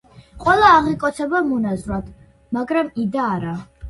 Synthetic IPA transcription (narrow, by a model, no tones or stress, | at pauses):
qʼwɛlˠaːʁikʼɔt̪sʰɛbamɔnazɾwad̪ʰ | maɡɾamid̪aːɾa